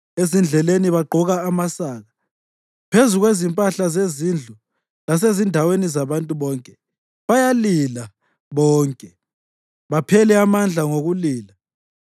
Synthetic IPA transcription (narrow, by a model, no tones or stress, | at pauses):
ezind͡ɮʱɛleniβaɡ͡ǃʱɔɣaːmasaːɣa | pʰezuɣwezimpʼaɬazezind͡ɮʱu | las̬ezindʱawenizaβantʼuβɔːŋkʼɛ | βajalila | βɔːŋkʼɛ | βapʰɛlɛamand͡ɮʱaŋoɣuliːla